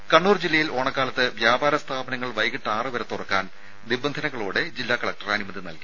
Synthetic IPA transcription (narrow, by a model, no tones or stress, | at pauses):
kɐɳːuːrd͡ʑilːɐjilo̞ːɳɐkːaːlɐt̪ːɨʋjaːbaːɾɐst̪ʰaːbɐnɐŋːɐɭʋɐjɣiʈːaːrɨʋɐɾɐt̪ːurɐkːaːn | d̪ibɐnd̪ʱɐnɐɣːɐɭuːɽed͡ʑilːaːkɐɭɐk̚ʈɐrɐnimɐðinɐ̰lki̥